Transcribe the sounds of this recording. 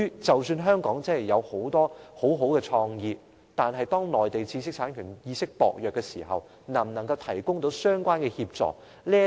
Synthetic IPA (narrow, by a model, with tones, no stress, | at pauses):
yː˥t͡sɐ˨wsyː˧nɦœː˥ŋkɔː˨˥ŋt͡sɐ˥hɐ˨˩jɐ˨˧who˨˥wt̪ɔː˥ho˨˥wɦo˨˥wkɛː˧t͡sʰɔː˧ŋjiː˨˧p̚ | t̪aː˨nɦɐ˨jt̪ɔː˥ŋlɔː˨˩jt̪e˨jt͡siː˧s̬ɪ˥k̚t͡sʰaː˨˥nkʰyː˨˩njiː˧sɪ˥k̚pɔ̰ː˨k̚jœː˨kːɛ˧sḭː˨˩ɦɐ̰˨w | nɐ˨˩mnɐ˨˩ŋkɐ˧wt̪ʰɐ˨˩jkʊ˥ŋt̪o˨˥wsœː˥ŋkʷaː˥nkɛ˧hiː˧p̚t͡sɔ̰ː˨k̚ | liː˥